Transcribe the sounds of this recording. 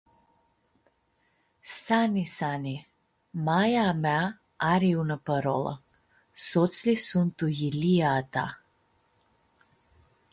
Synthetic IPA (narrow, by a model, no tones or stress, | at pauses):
sanisani | majamɛa | aɾiunapəɾɔ̰lˠa̰ | sɔt̪slisunt̪ujiliat̪a̰